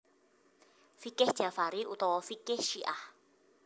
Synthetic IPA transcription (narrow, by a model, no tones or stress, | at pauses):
fikɪhʒ̥afaɾiʔut̪ɔwɔfikɪhʃiʔah